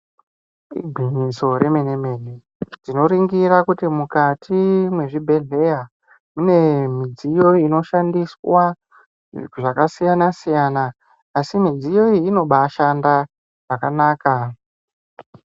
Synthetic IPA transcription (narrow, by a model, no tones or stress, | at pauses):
ḭɡʱiɲiso̞ɾe̞meneme̞ni | d͡zino̞ɾiŋɡiɾakutimukatʰimwe̞ʐibʱe̞ɮe̞ja | mune̞mid͡zijo̞ino̞ʃandiswa | ʐakasijanasijanaː | simid͡zijo̞iːno̞ɓaʃanda | ʐ̥akanaːka